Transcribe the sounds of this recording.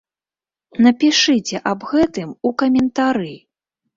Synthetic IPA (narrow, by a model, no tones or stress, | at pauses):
nɐpʲiʂɨt͡sʲɛʔɐbɣɛt̪ɨmukɐmʲɛnt̪aɾɨ